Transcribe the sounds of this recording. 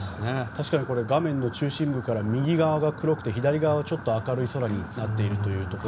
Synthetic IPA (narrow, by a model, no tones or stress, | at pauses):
net̪aɕi̥kaɲ̟iko̞ɾe̞ɡamẽ̞nːo̞t͡ɕɨːɕĩmbɯ̟kaɾamʲiɡʲiɡaβaɡakɯ̟ɾo̞kɯ̟̥t̪e̞çid̪aɾʲiɡaβaβat͡ɕo̞t̪ːo̞akaɾɯ̟iso̞ɾaɲ̟inat̪ːe̞iɾɯ̟t̪o̞jɯ̟ːt̪o̞ko